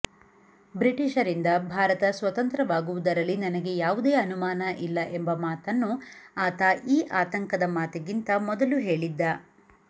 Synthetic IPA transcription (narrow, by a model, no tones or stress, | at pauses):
bɾiʈiʃɐɾind̪ɐbʱaːɾɐt̪ɐsʋɐt̪ɐnt̪ɾɐʋaːɡuʋud̪ɐɾɐlːinɐnɐɡe̞jaːʋud̪eːɐnumaːnɐʔilːɐʔembɐmaːt̪ɐnːuaːt̪aʔiːʔaːt̪ɐŋkɐd̪ɐmaːt̪ɐɡint̪ɐmɔd̪ɐluɦe̞ːɭid̪ːɐ